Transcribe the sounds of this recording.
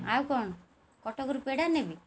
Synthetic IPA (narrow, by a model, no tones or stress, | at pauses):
awkɔɳɔ | kɔʈɔkɔɾupeɽanebi